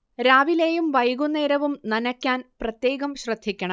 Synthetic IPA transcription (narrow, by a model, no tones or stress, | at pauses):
ɾaːʋileːjumʋɐjɣunːeːɾɐʋumnɐnɐkʲːaːnprɐt̪je̞ːɣɐmɕrɐd̪ʱːikʲːɐɳɐm